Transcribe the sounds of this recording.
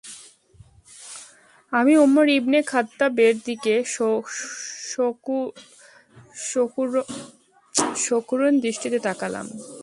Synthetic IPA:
amiomːoɾibnekʰat̪ːabeɾd̪ike | ʃokuɾond̪ɾiʃʈit̪et̪akala̰m

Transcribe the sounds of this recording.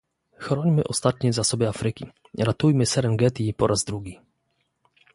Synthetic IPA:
xɾɔɲmɘʔɔst̪at̪ɲɛzasɔbɛafɾɘkʲḭ | ɾat̪ujmɘsɛɾɛnɡɛt̪ipɔɾʔazd̪ɾuɡʲi

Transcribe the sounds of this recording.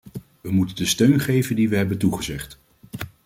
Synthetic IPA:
ʋəmutəndəstøɥnχejvəndiʋəɦɛbəntuχəzɛχt

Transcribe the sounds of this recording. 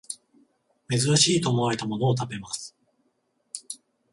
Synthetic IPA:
me̞zɨɾaɕiːt̪o̞ːmo̞aɾe̞t̪amo̞no̞ːt̪̬ape̞masɨ̥

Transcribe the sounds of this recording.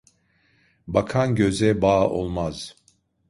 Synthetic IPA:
bakʰanɟø̞zɛbaːo̰lˠmaz̥

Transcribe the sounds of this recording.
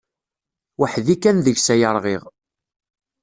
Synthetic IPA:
wəħðikːænðəʝsæjəɾˤʁiʁ

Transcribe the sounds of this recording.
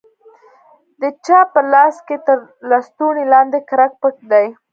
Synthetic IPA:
d̪ət͡ʃɑpəlɑsket̪əɾlɑst̪unilɑnd̪ekaɾak̚pək̚d̪aj

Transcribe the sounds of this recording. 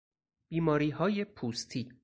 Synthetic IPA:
b̥iːmɒːɾiːɦɒːje̞pʰuːst̪ʰi

